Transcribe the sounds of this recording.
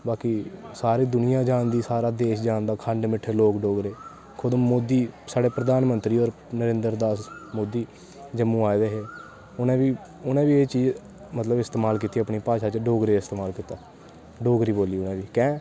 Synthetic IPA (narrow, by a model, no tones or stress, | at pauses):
baːkisaːɾiːd̪ʊnɪjãːd͡ʒãːnd̪iːsaːɾaːd̪eːʃd͡ʒaːnd̪aːkʰəɳɖmɪʈʰeːloːkɖoːɡɾeː | kʰʊd̪omoːd̪iːsaːɖeːpɾəd̪aːnmənt̪ɾiːɔːɾ | nəɾẽːnd̪əɾd̪aːsmoːd̪iː | d͡ʒəmːũːaːed̪eːɦeː | ʊnẽːʋiː | ʊnẽːbiːeːt͡ʃiːd͡ʒ | mət̪ləbɪst̪eːmaːlkiːt̪iːəpɳiːpaːʃaːt͡ʃɖoːɡɾeːɪst̪eːmaːlkiːt̪aː | ɖoːɡɾiːboːliːʊnẽːʋiːkɛ̃ː